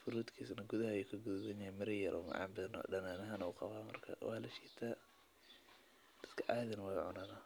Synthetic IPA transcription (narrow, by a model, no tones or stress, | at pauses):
fʊɾuːt̪kʰiːsnɐɡʊðɐhɐjukʰɐɡuðɐsɐɲɐhɛjmɪɾɐjɐɾʔɔ̰ːmɑ̰ʕɑ̰ːmbɐðn̰ːɖɐnaːnɐɦɐnɐuqɑβaːmɐrkʰɐ̰wɑːlɐʃiːt̪ʰaː | d̪̥ɐd̪kʰɐʔɑjðɐnɐwɑːʕʊ̰naːna